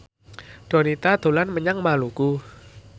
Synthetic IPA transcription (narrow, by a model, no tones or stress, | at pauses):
d̪̥o̤nit̪ad̪̥o̤lanməɲaŋmaluku